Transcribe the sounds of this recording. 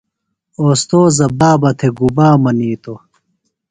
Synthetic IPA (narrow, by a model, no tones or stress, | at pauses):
oːst̪oːzɐbaːbɐt̪ʰeɡubaːmɐniːt̪o